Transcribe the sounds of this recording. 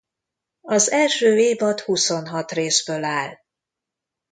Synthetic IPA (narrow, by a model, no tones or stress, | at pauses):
ɒzɛlʃøːeːbɒt̪huso̞nɦɒt̪reːsbøːlaːl